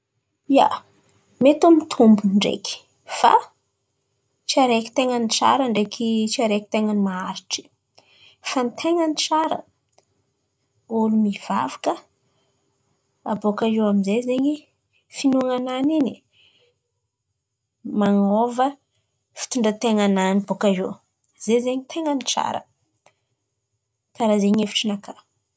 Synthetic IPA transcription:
ia̰ | met̪umit̪ʰumbuɳɖ͡ʐḛki̥ | fa̰ | t͡ʃiaɾeki̥t̪eŋənit͡sa̰ɾəɳɖ͡ʐekʰit͡siaɾeki̥t̪eŋənimaaɾiʈ͡ʂi̥ | fant̪ʰeŋənit͡saɾə̰ | ulumiv̥a̰vakə | abokaʒeaminzezeɲi | finuŋananini | maŋovə | fi̥t̪uɳɖ͡ʐət̪eŋananibokaʒo | z̥ezeɲit̪ʰeŋənit͡sa̰ɾə̰ | kaɾazeɲefi̥ʈ͡ʂinaka

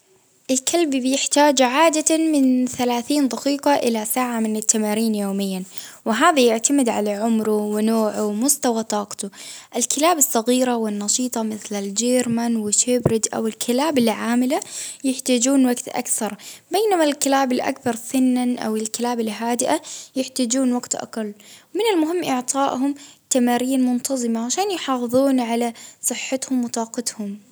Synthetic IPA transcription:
ʔɪlkʰalbbɪjɪħt̪aːd͡ʒʕaːd̪amɪnθalaːθiːnðˤɑqiːqɑʔɪlasaːʕamɪnɪt̪ːamaːɾiːnjoːmɪjːanwɪɦaːðajɪʕt̪amɪd̪ʕalaʕʊmɾʊwɪnoːʕʊwmʊst̪awat̪ˤɑːqt̪ʊʔɪlkʰɪlaːbɨsˤːɑɣiːɾawɪnːɑʃiːt̪ˤɑmɪθlɪld͡ʒeːɾmanwɪʃebɾɪd͡ʒ̪ʔa̰wɪlkʰɪlaːbɪlʕaːmɪlajɪħt̪aːd͡ʒuːnwaɡt̪ʔa̰kθɑɾˤbeːnamalkɪlaːbɪlʔa̰kbɑɾˤsʊnːanʔa̰wɪlkɪlaːbɪlɦaːd̪ɪʔajɪħt̪aːd͡ʒuːnwaɡt̪ʔa̰qalːwmɪnɪlmʊɦɪmːʔɪʕt̪ˤɑːʔhʊmt̪amaːɾiːnmʊnt̪ʰɑzˤɨmaʕaʃaːnjħɑːfɨðˤuːnʕalasˤɨħːat̪hʊmwɪt̪ˤɑːqɪt̪hʊm

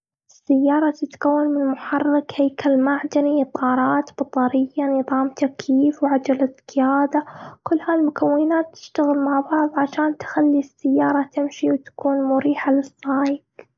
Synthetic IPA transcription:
ʔɪsːajːɑːɾˤɑt̪ɪt̪kawːanmɪnmʊħɑrːɪkheːkalmaʕd̪anit̪ˤʰɑːɾˤɑːt̪b̥ɑt̪ˤɑɾɪjːanɨðˤɑːmt̪akʰjiːfwʕad͡ʒalat̪kɪjaːd̪akʊlːhaːlmʊkawːɪnaːt̪ːɪ̥ʃt̪aɣɪlmaʕbɑʕðˤʕaʃaːnt̪xalːisːajːɑːɾˤɑt̪ɪmʃiwt̪ḁkuːnmʊɾiːħalɪsˤːɑːjɪk

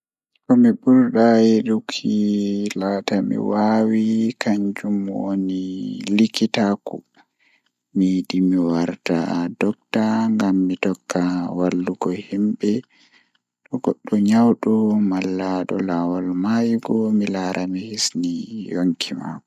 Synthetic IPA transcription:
kɔmibuɾɗajeɗukʰːilaːtamḭwawikʰaɲd͡ʒumwo̰nilikitaku | miɗimiwaɾta̰dɔk̚taŋɡamːitɔkːawalːuɡɔhimɓɛ | ɗɔɡɔɗːɔɲawɗumalːaɗɔlawalmajɡɔmilaɾʔamihisnijoŋkʰima̰kɔ

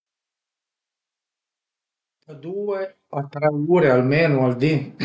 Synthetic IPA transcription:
t̪ɐd̪uːe | at̪ɾɛuːɾealmeːnuald̪i

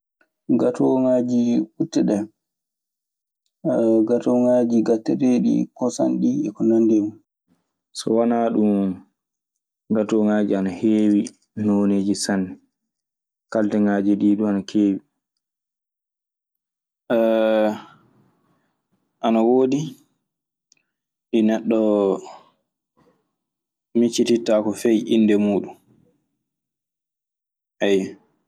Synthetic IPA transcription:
ɡatɔŋad͡ʒikutːɛɗɛ | ɡatɔŋad͡ʒiɡatːɛɾeɗḭkɔsa̰nɗiɛkɔnandemu | sɔ̰wanaɗum | ɡatɔŋaːd͡ʒianaheːwi | noːneːd͡ʒisan | kaltɛŋaːd͡ʒiɗiːɗuanakʰeːwi | ʔɛ | ʔanawoːdi | ɗinɛɗːɔ | mit͡ʃːititːakɔfɛjinːdɛmuːɗum | ʔajːɛ

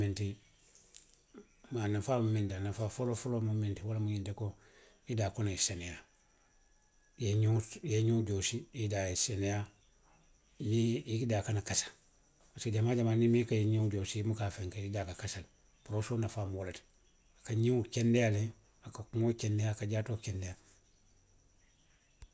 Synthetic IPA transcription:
minti | manafamumintianafafolofolomumintiwalamuɲinteko | idakonaiseneja | jeɲujeɲuɟosiidajiseneja | miidaːkanakasḁl | asaɟamaːɟamaːnimikajiɲiɟosiimukafeŋkeidakakasal | puɾosoːnafamolet | akaɲiŋukendejale | akakuŋokendejakaɟaːtokendeja

